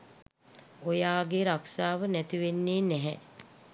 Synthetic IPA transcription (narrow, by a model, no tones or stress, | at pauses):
ojaːɡeɾaksaːʋənæt̪iʋenːeːnɛɦɛ